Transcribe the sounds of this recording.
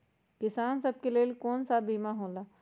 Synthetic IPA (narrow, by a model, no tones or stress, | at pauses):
kɪsaːnsɐb̚keleːlkoːnsabiːmaɦõːlaː